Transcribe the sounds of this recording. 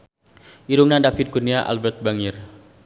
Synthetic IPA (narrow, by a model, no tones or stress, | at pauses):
ʔiɾuŋnandafɪt̪̚ɡurniaʔa̰lbɛrt̪̚baŋɪr